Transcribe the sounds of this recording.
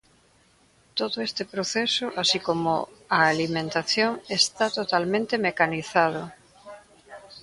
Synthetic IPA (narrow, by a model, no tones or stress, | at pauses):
t̪oðoest̪epɾoθesʊʔasikomo̰aːlimẽnt̪aθjoŋest̪at̪ot̪almẽnt̪emekaniθað̞o